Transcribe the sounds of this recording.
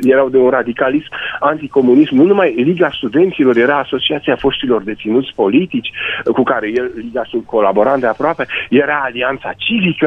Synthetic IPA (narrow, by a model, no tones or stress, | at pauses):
je̞ɾawd̪e̞unrad̪ikalismant̪iko̞munismnunumajliɡast̪ud̪e̞nt̪silo̞rje̞ɾaːso̞t͡ʃiat̪siafo̞st̪ilo̞rd̪e̞t̪sinut̪sʲpo̞lit̪it͡ʃʲkukaɾe̞jelliɡasulko̞labo̞ɾand̪eapɾoape̞je̞ɾaːliant̪sat͡ʃivikə